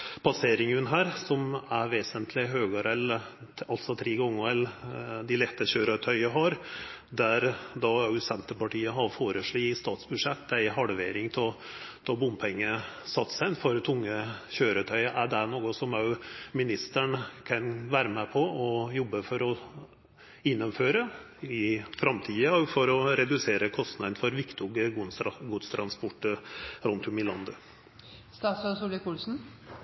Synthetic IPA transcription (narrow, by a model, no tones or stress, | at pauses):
pʰɑseːɾɪŋʉnɦæːɾsɔmæʋeːsənt̪ʰlɪɦøːɡəɾɛl | ɑlt̪sɔt̪ʰɾiːɡɔŋːəɛld̪ɪlɛt̪ːəɕøːɾət̪ʰœʏəɦɑɾ | d̪æɾd̪ɑʉsɛnt̪əpɑʈiːəɦɑɾfoːɾəʂɭiːst̪ɑːt̪sbʉʂɛt̪ːd̪æɪɦɑɽʋeːɾɪŋt̪ʰɔ | d̪̥ɑbʊmpʰɛŋːəsɑt̪ːsæɪnfɔɾt̪ʰʊŋːəçøːɾət̪ʰœʏəʔæɖæɳoːɡʊsɔmɑmɪnɪst̪əɳkʰɑnʋæːɾəmɛpʰɔɔjɔbːəfɔɾɔ | ɪnːəmføːɾə | ɪfɾɑmt̪ʰiːəɔɡfɔɾɔɾɛd̪ʉseːɾəkʰɔst̪nɑd̪n̩fɔɾʋɪkt̪ʊɡəɡuːd̪st̪ʰɾɑnspʊʈːəɾʉnt̪ʰʊmɪlɑnd̪ə | st̪ɑːt̪sɑsuːlɪkʰuːlsn̩